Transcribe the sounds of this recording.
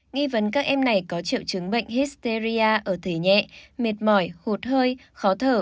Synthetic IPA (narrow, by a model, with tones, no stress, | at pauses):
ŋi˧və˨˦nkaː˦˥k̚ʔɛ˧mna˨˩jkɔ˨˦t͡ɕḭ˧˨əwt͡ɕɨ˨˦ŋɓə̰˧˨jŋ̟hi˦˥st̪e˧zi˧aː˧ʔəː˧˩t̪ʰe˨˩ɲɛ̰˧˨me˨˩t̚mɔ˧˩jho˨˩t̚həː˧j | xɔ˨˦t̪ʰəː˧˩